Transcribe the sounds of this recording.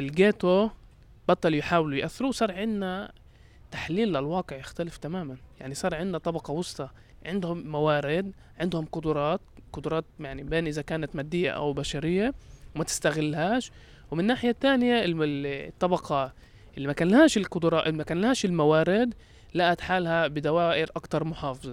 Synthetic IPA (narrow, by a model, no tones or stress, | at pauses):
ʔɪlɡeːt̪o | b̥ɑt̪ˤːɑljħaːwɪlujʔaθːɪɾuːwsˤɑːɾˤʕɪnːa | t̪ḁħliːlːalwɑːqɪʕjɪxt̪alɪft̪amaːmanjaʕnisˤɑːɾˤʕɪnd̪ːat̪ˤɑbɑqɑwɑsˤt̪ˤɑ | ʕɪnd̪hʊmːawaːɾɪd̪ | ʕɪnd̪hʊmqʊd̪ʊɾˤɑːt̪qʊd̪ʊɾˤɑːt̪̚jaʕnibeːnʔɪzakaːnat̪maːd̪ːɪjːa̰ʔa̰wbaʃaɾɪjːawmat̪ɪ̥st̪aɣɪlːhaːʃ | wmɪnːaːħɪjat̪ːaːnjaɪt̪ˤːɑbɑqɑ | ʔɪlːimakanlhaːʃɪlqʊd̪ʊɾˤɑːʔɪlmakaːnlhaːʃɪlmawaːɾɪd̪ | laʔat̪ħaːlhabɪd̪awaːʔɪɾʔakt̪ɑɾˤmʊħɑːfɨzˤɑ